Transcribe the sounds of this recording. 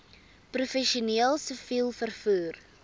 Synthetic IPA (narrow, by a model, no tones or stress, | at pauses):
prufɛʃiuniːəlˠsəfilˠfərfuːr